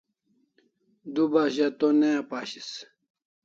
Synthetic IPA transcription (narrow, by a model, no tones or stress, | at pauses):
d̪ubaɕɐt̪oneapaːɕis